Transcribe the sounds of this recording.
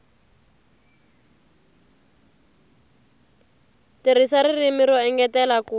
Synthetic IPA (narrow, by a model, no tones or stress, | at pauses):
tiɾisaɾirimiɾɔɛŋɡɛtɛlaku